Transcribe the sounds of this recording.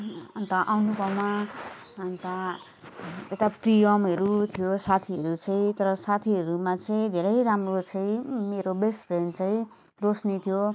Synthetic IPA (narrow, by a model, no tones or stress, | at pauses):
ʌnt̪ʌʔawnupʌma | ʌnt̪a | et̪aprijʌmɦʌɾut̪ʰijosat̪ʰiʌɾut͡sʌ̃ĩt̪ʌɾʌsat̪ʰiɦʌɾumat͡sʌĩd̪ʱeɾʌjɾamrot͡sʌ̃ĩmeɾobesʈpʰrenɖt͡saĩ | rosnit̪ʰijo